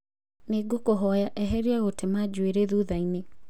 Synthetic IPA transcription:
neɡokoɦɔjaʔɛɦɛɾiaɣotemad͡ʒweɾeðuðaine

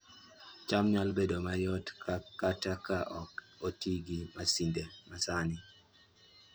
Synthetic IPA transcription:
t͡ʃamɲalbedomajɔtkakːatakaʔɔk | otiɡimasindemasanɪ

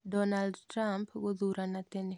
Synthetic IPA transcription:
dɔnaldtɾampɡod̪uɾanat̪enɛ

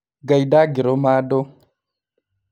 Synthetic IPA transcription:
ɡajdaɡiɾomado

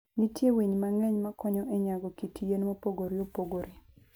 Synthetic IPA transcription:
nitjewiɲmaŋɛɲmakɔɲɔʔeɲaɡɔkitʰijenmopoɡoɾiopoɡoɾi

